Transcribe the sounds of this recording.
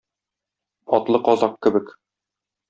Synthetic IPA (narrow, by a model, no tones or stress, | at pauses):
ɒt̪lˠɤqɒzɑqkɘ̆bɘk